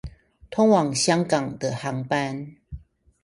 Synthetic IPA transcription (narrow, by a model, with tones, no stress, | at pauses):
t̪ʰɔ˦˥ŋwɑ˨˩ŋɕjɑ˦ŋkɑ˨˩ŋd̪ə˨hɑ˨˦ŋpa˦n